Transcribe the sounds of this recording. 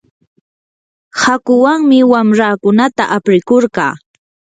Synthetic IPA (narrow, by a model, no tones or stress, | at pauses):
hakʊwaŋmɪwamɾaːkʊnat̪a̰ʔapɾɪkoɾɢɑ̰ː